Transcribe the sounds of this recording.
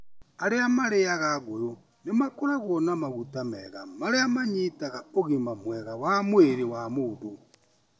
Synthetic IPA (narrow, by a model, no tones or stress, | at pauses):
aɾeamaɾeaɣaɣojo | nemakoɾaɣwɔnamaɣutamɛɣamaɾeamaɲitaɣaoɣimamwɛɣawamweɾewamoðo